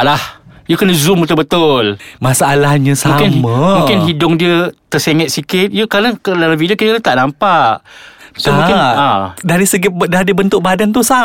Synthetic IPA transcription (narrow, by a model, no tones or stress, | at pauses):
ʔlahjəkənəzumut̪ubət̪ʊlmasaalahɲə̃samũkɪnmmə̃mũkɪnɦidʊŋdiət̪ərseŋət̪̚sikɪt̪̚jəkalakəlalavidiəkitəlat̪aʔnampaʔt̪aamũkɪnadaɾisəɡidaɾibənt̪ʊʔ̚badant̪usa